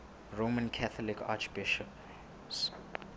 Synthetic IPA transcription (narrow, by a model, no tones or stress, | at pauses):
ɹomãnkʰaθʰɔlikʰat͡ʃb̥iʃɔp | s